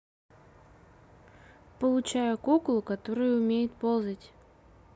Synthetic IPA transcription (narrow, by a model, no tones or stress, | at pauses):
pəlˠʊt͡ɕajʊkoklˠʊkɐt̪oɾɨjʊʊmʲejɪt̪̚polˠzətʲ